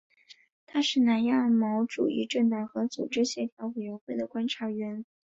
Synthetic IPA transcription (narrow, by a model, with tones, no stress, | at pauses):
t̪ʰa˥ʂɻ̩˥˩na˧˥nja˥˩mɑ˧˥ʊʈ͡ʂṵ˨˩i˥ʈ͡ʂə˥˩nt̪ɑ˨˩ŋxɤ˧˥t͡sṵ˨˩ʈ͡ʂɻ̩˥ɕjɛ˧˥t̪ʰjɑ˧˥ʊwe˨˩ɪɥɛ˧˥nxwe˥˩ɪd̪ə˩kwa˥nʈ͡ʂʰa˧˥ɥɛ˧˥n